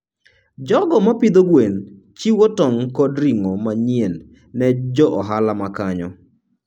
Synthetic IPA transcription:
d͡ʒɔɡɔmapid̪oɡwen | t͡ʃiwɔtɔŋkɔdɾiŋɔmaɲienː | ɛd͡ʒɔʔɔɦalamakaɲɔ̰

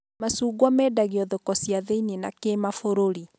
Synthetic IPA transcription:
masuːɣwɔmɛːdaɣiɔðokɔsiaðeinenakeːmafoɾoɾi

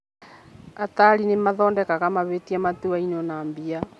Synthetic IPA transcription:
ataɾinemaðɔːndɛkakamaβetiamatuainɔnambia

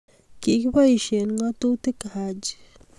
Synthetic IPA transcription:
kikbaiʃenŋat̪ut̪ekahad͡ʒ

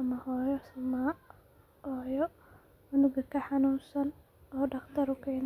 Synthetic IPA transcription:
ɐmɐhɔːjɔsɐma | ʔɔːjɔ | ʊnʊɡɐkʰɐħɑnuːnsɐn | ʔɔːɖɐqt̪ʰɐɾʊkʰɛːn

